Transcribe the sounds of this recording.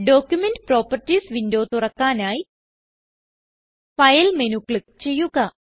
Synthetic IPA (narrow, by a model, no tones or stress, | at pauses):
ɖo̞ːkʲjumenɖpro̞ːpːɐrtːiːsʋindo̞ːt̪urɐkːaːnaːji | fɐjɐlmenukːɭɨkt͡ɕe̞jːuɣɐ